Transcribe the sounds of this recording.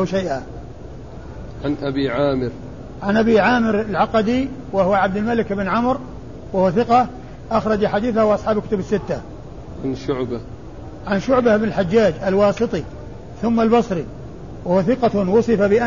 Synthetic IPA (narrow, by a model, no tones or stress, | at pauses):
ʃaʔa | ʕanʔabiːʕaːmɪɾ | ʕanʔabiʕaːmɪɾalʕɑqɑd̪iwahʊwaʕab̚d̪ɪlmalɪkʔɪbɪnʕʊmɾ | wahʊwaθɪqɑ | ʔaxɾˤɑd͡ʒaħad̪iːθahawʔɑsˤħɑːbkʊ̥t̪ʊbɪsːɪt̪ːa | ʕanʃʊʕba | ʕanʃʊʕbahɪbnɪlħad͡ʒːaːd͡ʒalwɑːsˤɨt̪ˤi | θʊmːalbɑsˤɾi | wahuwaθɪqɑwʊsˤɨfabɪʔa